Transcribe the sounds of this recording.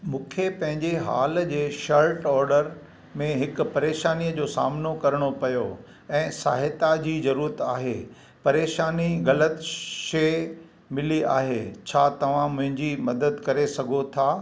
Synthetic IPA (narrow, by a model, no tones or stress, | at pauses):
mũːkʰepɐ̃ɦɪ̃ɲd͡ʑeɦa̰ːld͡ʑeːʃɐɾʈɔːɾɖəɾ | mẽɦɪkʊ̆pɐɾeːʃaːnijəd͡ʑoːsa̰ːmnokɐɾəɽ̃opɐjo | ɛ̃ːsa̰ːɦɪt̪ad͡ʑiːzɐɾuːɾət̪aːɦe | pɐɾeːʃaːniɣɐlət̪ʃe | mɪlia̰ːɦḛt͡ɕʰaːt̪ɐʋ̤ãmʊ̃ɦɪ̃ɲd͡ʑimɐd̪əd̪kɐɾesɐɡʱot̪ʰaː